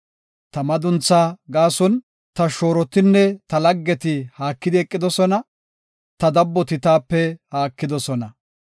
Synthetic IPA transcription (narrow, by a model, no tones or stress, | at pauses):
t̪ɐmɐd̪ʊnt͡sːaːɡaːsɔn | t̪ɐʃo̞ːɾɔt̪ɪnːɛt̪ɐlɐɡːɛt̪ɪhaːkːɪd̪ɪɛkʼːɪd̪ɔsɔnɐ | t̪ɐd̪ɐbːɔt̪ɪt̪aːpːɛhaːkːɪd̪ɔsɔnɐ